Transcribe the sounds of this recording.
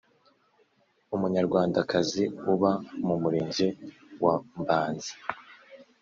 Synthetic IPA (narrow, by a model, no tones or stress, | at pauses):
umuɲaɾɡwaːndakʰaziuβamumuɾeːɲɟe | wambaːnzi̥